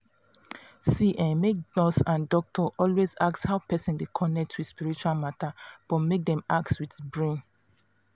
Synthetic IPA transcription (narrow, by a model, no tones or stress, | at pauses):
siʔãnmek̚dɔsãndɔk̚tʰɔʔɔlwezakshaʊpʰɛsɛ̃ndekʰɔnɛk̚tʰwidspiɹit͡ʃualmatab̥ɔtmek̚dɛ̃mak̚tswidbɹẽn